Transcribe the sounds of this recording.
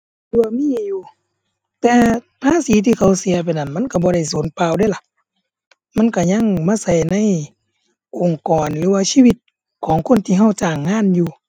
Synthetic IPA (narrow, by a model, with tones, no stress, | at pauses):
lːɯ˧wa˧miː˧˥˨juː˧ | t̪ɛː˧ | pʰaː˧˥˨siː˨˦t̪ʰiː˧kʰa˧˨˩wsi˨˦ɐp̬a˨jna˧˨nma˧˥˨nka˧˩bɔː˧ɾa˧˩jsoː˨˦npaː˧˨wda˧˨jla˧˦ʔ | ma˧˥˨nka˧˩ɲa˧˥˨ŋmaː˧˥˨sa˧˩jna˧˥˨j | ʔo˨˩ŋkɔː˨nlɯː˨˦waː˧˥˨siː˧˥˨wi˧˦t̪̚ | kʰɔː˨˦ŋkʰo˧˥˨nt̪ʰiː˧˨ɦa˧˥˩wt͡ɕaː˨˩ŋːaː˧˥˨njuː˧